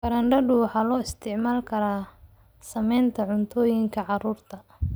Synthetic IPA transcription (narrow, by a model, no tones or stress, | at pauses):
ɡɐɾɐɳɖɐɖʊwɑħɑːlɔːɪst̪ʰɪʕmaːlkʰɐɾaː | sɐmɛjnt̪ʰɐʕʊnt̪ʰɔːjɪŋkʰɐʕɑruːrt̪ʰɐ